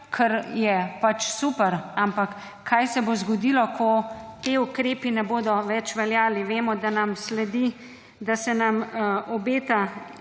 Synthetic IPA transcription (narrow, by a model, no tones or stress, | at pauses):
kʰəɾjɛpat͡ʃsupɛɾampakː | ajsɛbozɡɔd̪iːlɔkʰɔt̪eukɾeːpinɛboːd̪ɔʋɛt͡ʃʋɛljaːliʋeːmɔd̪anamslɛd̪i | d̪asɛnamɔbeːt̪a